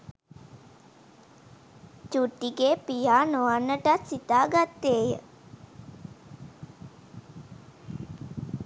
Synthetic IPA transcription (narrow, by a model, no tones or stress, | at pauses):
t͡ʃuʈːiɡeːpijaːnoanːəʈat̪sit̪aːɡat̪ːeːjə̰